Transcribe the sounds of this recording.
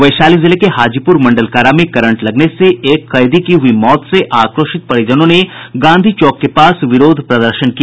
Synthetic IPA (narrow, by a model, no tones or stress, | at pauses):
ʋɐjʃaːlizɪlekehaːd͡ʒipʊɾmɐ̃ɳɖəlkaːɾamẽkɐɾə̃ɳʈlɐɡneseeːkːɐjd̪ikiɦʊimɔːt̪seʔaːkɾoːʃɪt̪̚pɐɽed͡ʒɐnõneɡãːnd̪ʱit͡ʃɔːkːepaːsʋɪɾoːd̪ʱpɾɐd̪əɾʃənkija